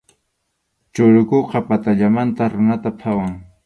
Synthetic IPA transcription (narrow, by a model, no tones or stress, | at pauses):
t͡ʃʊɾʊkoqɑpat̪aʎamant̪aɾʊnat̪apʰawaŋ